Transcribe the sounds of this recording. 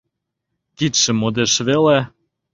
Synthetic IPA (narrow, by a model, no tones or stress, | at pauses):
kit̪ʃɘ̆mod̪eʃvele